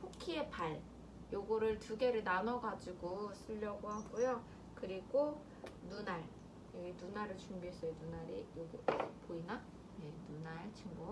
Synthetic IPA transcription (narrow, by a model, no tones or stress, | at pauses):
pʰokʰie̞paɭ | joɡʌɾɯɭtuɡe̞ɾɯɭnanʌɡad͡ʑiɡos͈ʰɯʎːʌɡohaɡujo | kɯɾiɡo | nunaɭ | jʌɡinunaɾɯɭt͡ɕumbiɦes͈ʌjonunaɾijoɡipoina | jenunaɭt͡ɕʰiŋɡu